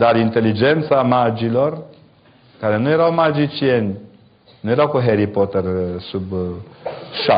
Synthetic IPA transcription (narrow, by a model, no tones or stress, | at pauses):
d̪aɾint̪e̞lid͡ʒe̞nt̪samad͡ʒilo̞r | kaɾe̞nuje̞ɾawmad͡ʒit͡ʃienʲ | nuje̞ɾawkuɦeɾipot̪ersub | ʃa